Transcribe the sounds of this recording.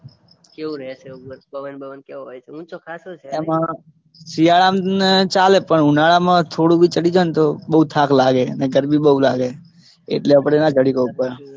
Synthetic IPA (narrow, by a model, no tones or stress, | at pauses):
keũɾəɛt͡ʃeuɾbəʋənbəʋənkeʋɦojt͡ʃʰeũt͡ʃʰokʰasot͡ʃʰeɛmã | siaɭamt͡ʃalepəɳunaɭamãt̪ʰoɽũbʱit͡ʃəɽid͡ʒənt̪obəut̪ʰakʰlaɡeəneɡəɾbiɓəulaɡe | ḛʈleəpɽ̃enad͡ʒəɽikəupəɾ